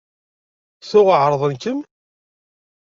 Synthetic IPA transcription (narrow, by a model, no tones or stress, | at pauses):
θʊʁəʕɾˤðˤənkəm